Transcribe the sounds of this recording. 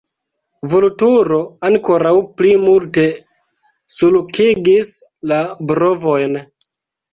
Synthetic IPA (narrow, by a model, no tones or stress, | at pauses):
volutuɾo̞aŋko̞ɾawplimulte̞ | sulukʰiɡis | labɾo̞vo̞jn